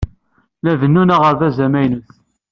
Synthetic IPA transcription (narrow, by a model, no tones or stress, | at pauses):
læðənːunaʁəɾðæzæmæjnuθ